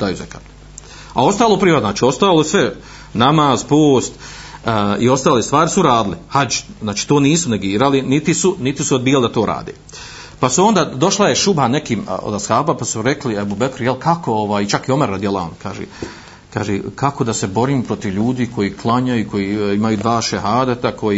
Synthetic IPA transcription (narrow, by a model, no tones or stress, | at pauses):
d̪ajuzeka̰ːt̪ | a̰o̞st̪aːlˠopɾiʋat̪naːt͡ʃiːo̞st̪aːlˠosʋe̞ | namaːz̥poːst̪ː | io̞st̪aːleːst̪ʋaːɾisuɾaːd̪ɪlihad͡ʒznaːt͡ʃi̥ːt̪oːniːsune̞ɡiːɾalinit̪isunit̪isuod̪biːjalid̪at̪o̞ːɾa̰ːd̪ḛː | pasuo̞nd̪aːd̪o̞ʃlajeʃubanekiːmo̰d̪ashaːbapasuɾe̞kliebubekɾjelkako̞oʋaːjit͡ʃakio̞meɾad̪jelˠa̰o̰nkʰaːʒḛː | kaːʒeːkako̞d̪asebo̞ɾiːmpɾo̞t̪iʋʎuːd̪iːko̞jiːkʰlˠaɲajuko̞jiːimajuːd̪ʋaːʃeɦaːd̪at̪akʰo̞jiː